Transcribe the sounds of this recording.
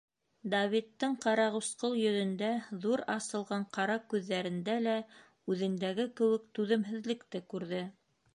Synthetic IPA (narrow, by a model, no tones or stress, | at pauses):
d̪ɐvʲit̪ːɤɴqɑɾɑʁɤsqɤlˠjɵ̆ðɵ̆nd̪æðuɾɑsɤ̆lˠʁɑɴqɑɾɑkʉðːæɾɘ̆nd̪ælæ | ʉðɘ̆nd̪æɡɘkɘ̆wɘ̆k̚t̪ʉðɘ̆mɦɘ̆ðlɘ̆kt̪ɘkʉɾðɘ